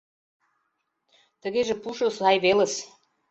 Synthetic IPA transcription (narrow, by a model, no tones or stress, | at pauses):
t̪ə̆ɣeʒĕpuʃə̆sɑjβelə̆s